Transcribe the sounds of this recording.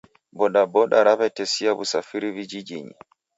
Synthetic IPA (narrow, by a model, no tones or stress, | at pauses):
bɔɗabɔɗaɾaβɛtɛsiaβṵsafiɾivid͡ʒid͡ʒiɲḭ